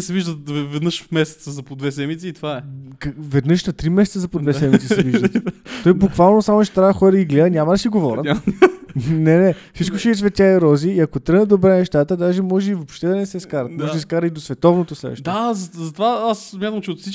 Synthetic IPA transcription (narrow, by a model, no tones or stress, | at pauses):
sɛviʒd̪əvɛvɛd̪nəʃfmɛsɛ̥t̪səzɐpod̪vɛsɛmit̪siːt̪ovaɛkvɛd̪nɤʃnɐt̪ɾimɛsɛt̪səzɐpod̪vɛssɛmit̪ɛsɛviʒd̪t̪tt̪ɔjbukvalˠnosamot͡ʃɛ̥t̪ɾaəxɔɾəɡiɡlɛd̪ənʲamɐd̪ɐsiɡovɔɾə̰t̪ | nɛnɛ | sit͡ʃkoʃɛisvɛt̪ʲaiɾɔziːɐkot̪ɾɤnəd̪obɾɛnɛʃt̪at̪əd̪aʒɛmɔʒɛivopʃt̪ɛd̪ɐnɛsɛskaɾɐt̪mɔʒiskaɾɐt̪id̪osvɛt̪ɔvnot̪osɾɛ̰ʃt̪azɐzɐt̪ovaassmʲjat̪əɐmt͡ʃɛot̪fsit͡ʃ